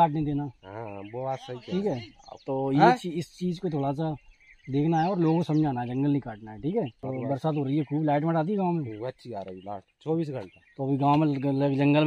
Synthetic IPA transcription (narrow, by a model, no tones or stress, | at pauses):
aːʈned̪eːnaɦãbot̪sɐɦiiːkɦɛːt̪oːjet͡ʃiɪst͡ʃiːd͡ʒkot̪ʰoːɽas̬ad̪eːkʰnaɦɛɔːɾloːɡosɐmd͡ʒʱaːnaɛd͡ʒɐ̃ŋɡəlnikaːʈnaɦɛʈʰiːkɦɛːt̪oːbɐɾsaːt̪ɦoːɾəiɦɛkʰuːblɛːʈ̬mẽɖaːt̪̬iɡãːmẽɐtːʃʰiaːɾilaːʈt͡ʃɔːbiːsɡʱəɳat̪oɐbʱiɡãːmləɡd͡ʒɐ̃ŋɡəlm